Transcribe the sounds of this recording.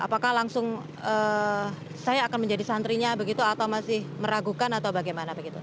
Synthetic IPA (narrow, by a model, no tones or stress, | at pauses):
ʔa̰pakahlaŋsʊŋ | ə | sajaːkanməɲd͡ʒadisant̪ɾiɲabəɡit̪uat̪awmasɪhməɾaɡukanat̪awbaɡajmanabəɡit̪u